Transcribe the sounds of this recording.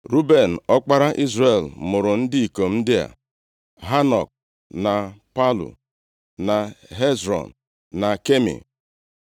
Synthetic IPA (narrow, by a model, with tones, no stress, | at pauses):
ɾu˦be˨n̩˨ɔ˦k͡pa˦ɾa˦ʔi˦zɾe˨lmʊ˨ɾʊ˨n̩˦dɪ˦i˨ko˨m̩˦dɪ˦a̰˨ | ɦa˦nɔ˨k̚ | na˨pa˦lṵ˨ | na˨ɦe˦zɾɔ̰˨n̩˨ | na˨ke˦mḛ˨